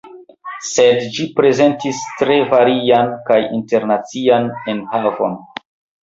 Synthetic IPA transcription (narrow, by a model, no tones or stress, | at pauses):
se̞dd͡ʒipɾe̞ze̞ntistɾe̞vaɾiankajḭnte̞ɾnat͡sianenhavo̞̰n